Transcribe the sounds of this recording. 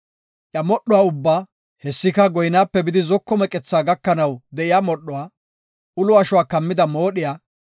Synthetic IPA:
ʔjɐmɔɗʊwaːʊbːaː | hɛsːɪkɐɡɔjnaːpːɛbɪd̪ɪzɔkːɔmɛkʼɛt͡sːaːɡɐkːɐnɐwd̪ɛʔɪjaːmɔɗːʊwaː | ʊlʊɐʃʊwaːkɐmːɪd̪ɐmo̞ːɗɪjaː

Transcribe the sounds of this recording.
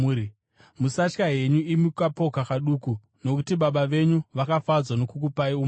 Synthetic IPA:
i | musat͡ʃkaɦe̞ɲuimikapo̞kakaɗuːku | no̞kutiɓaɓaʋe̞ɲuʋakafad͡zwano̞kuk̬upaium

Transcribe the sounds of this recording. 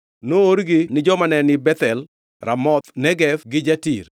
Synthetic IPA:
nooɾɡɪnɪd͡ʒɔmanɛnɪbɛt̪ɛl | ɾa̰mɔt̪nɛɡɛfɡɪd͡ʒatḭɾ

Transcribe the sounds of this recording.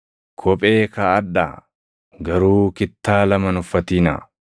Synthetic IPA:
kʰɔpʼe̞ːkɐːd̪ːa̰ː | ɡɐɾuːkɪt̪ːaːlɐmɐnʊfːɐt̪iːna̰

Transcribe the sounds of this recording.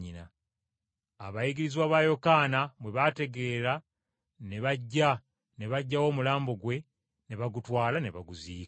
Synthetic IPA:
ina | a̰βajiɡiɾiziwaβaːjo̞kaːnamwe̞βate̞ɡe̞ːɾa | ne̞βaɟːa | ne̞βaɟːawo̞ːmulaːmbo̞ɡwe̞ | ne̞βaɡutwaːlane̞̰βa̰ɡuziː

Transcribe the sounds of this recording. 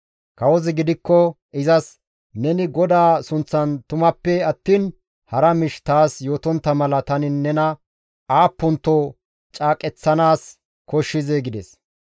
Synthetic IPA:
kɐwɔzɪɡɪd̪ɪkːɔ | ʔɪzɐs | nɛnɪɡɔd̪aːsʊnt͡sːɐnt̪ʊmɐpːɛɐt̪ːiːn | hɐɾɐmɪʃt̪aːsjo̞ːt̪ɔnt̪ːɐmɐlɐt̪ɐnɪnːɛnɐ | aːpːʊnt̪ːo | t͡ʃʼaːkʼɛt͡sːɐnaːs | kɔʃːɪzeɡɪd̪ɛs

